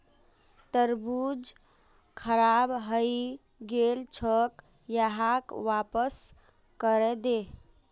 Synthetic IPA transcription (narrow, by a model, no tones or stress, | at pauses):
t̪əɾbud͡ʒ | kʰəɾabɦəi | ɡelt͡ʃʰək | jəɦakʋapəs | kəɾɛd̪e